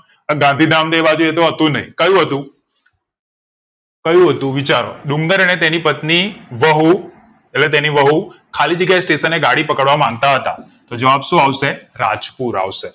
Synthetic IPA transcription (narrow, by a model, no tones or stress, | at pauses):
əɡãnd̪ʱid̪amd̪ebad͡ʒuet̪oɦət̪ũnəɦḭ̃kəjũɦət̪ũ | kəjũɦət̪ũʋit͡ʃaɾo̰ɗũŋɡəɾənet̪enipət̪niʋəɦu | elet̪̬eniʋəɦukʰalid͡ʒəɡjaesʈesənːeɡaɽipəkəɽʋamãŋɡ̚t̪aɦət̪a̰ | t̪od͡ʒəʋabʃũaʋʃeɾa̰d͡ʒpuɾa̰ʋʃe